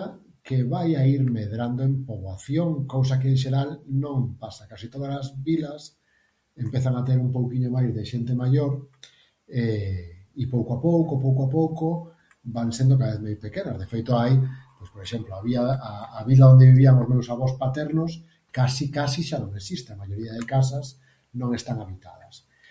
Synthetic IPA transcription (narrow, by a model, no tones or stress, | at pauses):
keβajaiɾmeðɾand̪oempoβwaθjoŋkows̬akeenʃ̬eɾalnõŋpasakasit̪oðasazβilas | empeθaŋat̪eɾumpowkiɲomajzðeʃent̪emaʎoɾ | e | ipowkoapowkopowkoapowko | baŋsend̪okaaβeθmajspekenɐzðefejt̪oajpojspoɾeʃemploaβiaaːβilaõnd̪eβiβiaŋozmewsaβ̞ɔspat̪ɛɾnos | kasikasiʃanõŋesist̪eamajoɾiaðekas̬as | nõŋest̪aŋaβit̪a̰ðɐs